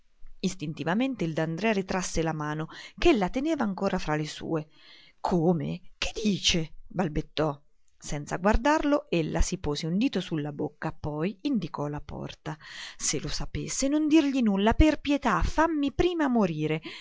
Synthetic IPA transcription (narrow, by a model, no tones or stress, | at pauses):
ist̪int̪ivament̪eild̪and̪ɾɛːaɾit̪ɾasːelamaːnokelːat̪eneːvaːŋkoːɾʔafɾalesṵːe | kʰoːmḛked̪iːt͡ʃebalbet̪ːɔ | sɛnt̪sa̰ɡward̪arloelːasipoːzeund̪iːt̪osulːabokːapɔjind̪ikɔlapɔ̰rt̪aselosapesːenond̪irʎinulːaperpjet̪afamːipɾiːmamoɾiːɾe